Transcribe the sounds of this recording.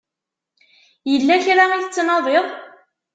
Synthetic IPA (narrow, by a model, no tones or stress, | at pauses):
jəlːæçɾaiθət͡sːnɑðˤeðˤ